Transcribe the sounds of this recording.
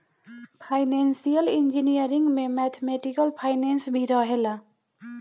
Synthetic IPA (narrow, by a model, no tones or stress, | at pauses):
pʰaɪnensijəlind͡ʒinijəɾĩŋɡmẽmɛt̪ʰemeʈikəlpʰaɪnɛnsbʱiɾʌɦela